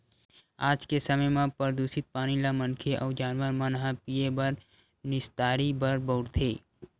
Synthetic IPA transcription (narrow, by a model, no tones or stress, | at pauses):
aːd͡ʒkesəməjmãpəɾd̪uːsɪt̪̚paːñilamənkʰeʔɔːd͡ʒaːnwəɾmãnɐɦãpiebɐɾ | nɪst̪aːɾibɐɾbɔʊɽt̪ʰeː